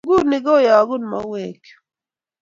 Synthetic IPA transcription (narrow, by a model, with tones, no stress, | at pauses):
ɡu˦ni˨ɡo˦ja˨ɡu˦nma̰˨˦we˦˨k